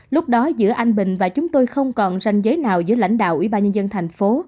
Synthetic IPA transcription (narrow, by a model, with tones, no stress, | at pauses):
lʊ˦˥k͡p̚ɗɔ˨˦zɨ̰˧˥əʔa˧jŋ̟ɓï˨˩ŋ̟vaː˨˩t͡ɕʊ˨˦ŋ͡mt̪o˧jxə˧wŋ͡mkɔ˨˩nza˧˩jŋ̟zəː˨˦jnaː˨˩wzɨ̰˧˥əla̰˧˩jŋ̟ɗa̰ː˧˨wʔwḭ˧˩ɓaː˧nɲə˧nzə˧nt̪ʰa˨˩ŋ̟fo˨˦